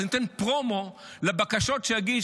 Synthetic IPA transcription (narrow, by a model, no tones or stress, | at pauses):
nit̪enpʁomo | labakaʃo̞tʃejaɡi